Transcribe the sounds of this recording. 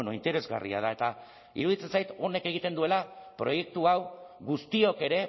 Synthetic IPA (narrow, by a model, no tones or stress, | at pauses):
no̞int̪e̞ɾe̞zɣa̰rḭa̰ð̞ae̞t̪a | ḭɾuðit͡se̞nsajt̪o̞ne̞ke̞ɣ̞it̪e̞nd̪ue̞lapɾo̞je̞k̚t̪uawɣust̪io̞ke̞ɾe̞